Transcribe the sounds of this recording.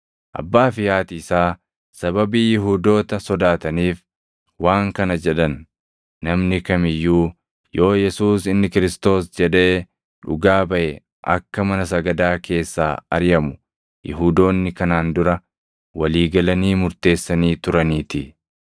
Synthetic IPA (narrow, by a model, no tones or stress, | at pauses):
ʔɐ̰bːaːfɪjaːt̪ɪːsaː | sɐbɐbiːjɪɦuːd̪o̞ːt̪ɐsɔd̪aːt̪ɐniːf | waːŋkɐnɐd͡ʒɛᶑɐnː | ɐmnɪkɐmɪjːuː | jo̞ːjɛsuːsɪnːɪkɪɾɪst̪o̞ːsd͡ʒɛᶑe̞ː | ᶑʊ̰ɡaːbɐʔɛ | ʔɐ̰kːɐmɐnɐs̬ɐɡɐd̪aːkʰe̞ːsːa̰ːɐ̰ɾjɐmʊ | jɪ̰ɦuːd̪o̞ːnːɪkɐnaːnd̪ʊɾɐ | wɐliːɡɐlɐniːmʊɾt̪e̞ːsːɐniːt̪ʊɾɐniːt̪ɪ